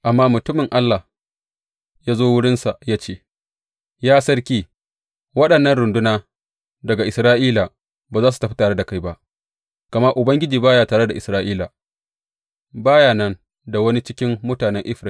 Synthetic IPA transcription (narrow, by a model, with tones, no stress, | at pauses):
ʔa˨mːaː˦mʊ˨tʊ˦mɪ˨ŋʔa˦lːa˨h | jaː˦zoː˦wʊ˦ɽɪ˦nsa˨jaː˦t͡ʃeː˦˨ | jaː˦sɐ˦ɽkʲiː˦ | wɐ˦ɗɐ˨nːɐ˦nɽʊ˨ndʊ˦naː˦ | dɐ˨ɡa˨ʔɪ˨sɾaː˦ʔiː˦laː˨ | baː˨zaː˦su̥˨tɐ˨ɸi˦taː˨ɽe˦da˨ka˦jba˦ʔ | ka˨mɐ˦ʔʊ˨bɐ˦ŋɡʲɪ˦d͡ʒiː˨baː˦jaː˨taː˨ɽe˦da˨ʔɪ˨sɾaː˦ʔiː˦la˨ | baː˦jaː˨nɐ˦n | da˨wɐ˦ni˦t͡ʃɪ̥˦kʲɪ˦mːʊ˦taː˨nɛ˦ŋʔɪ˦ɸɾa˨